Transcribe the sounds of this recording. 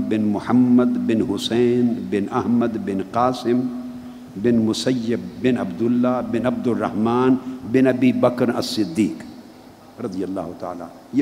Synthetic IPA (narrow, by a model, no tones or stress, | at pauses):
bɪnmʊħɐmːɐd̪bɪnɦʊseːnbɪnɐɦmɐd̪bɪnqaːsɪm | bɪnmʊsɐjːɐbːɪnɐbd̪ʊlːaːbɪnɐb̚d̪ʊrːɐ̰hmaːnbɪnɐbiːbɐkɾɐ̰sːɪd̪ːiːq | ɾɐd̪ijɐlːa̰ːɦʊt̪a̰ːla̰ːnj